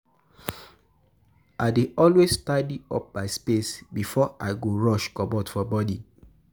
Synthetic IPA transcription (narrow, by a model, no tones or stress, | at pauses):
aɪdeɔlwestadiɔ̰p̚baɪspesbifɔaɪɡoɹɔʃkɔbɔtfɔbɔdi